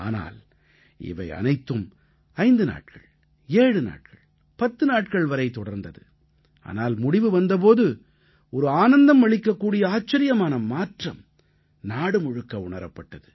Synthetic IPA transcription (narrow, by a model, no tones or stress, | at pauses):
a̰ːna̰ːl | ɪ̰ʋɐ̰ɪɐ̰nɐɪt̪ːɯm | ɐɪnd̪ɯna̰ːʈ̚kɐɭ | eːɽɯna̰ːʈkɐɭ | pɐt̪ːɯnaːʈ̚kɐɭʋɐɾɐɪt̪ɔɽɐɾnd̪ɐðɯ̰ | a̰ːnaːlmʊɽɪʋɯʋɐnd̪ɐp̬oːðɯ | ɔɾɯaːnɐnd̪ɐmʋɐɭɪkːɐkːuːɽɪjɐaːt͡ʃːɐɾɪjɐmaːnɐmaːʈrɐm | naːɽɯmɔɻɯkːɐʊɳɐɾɐpːɐʈːɐðɯ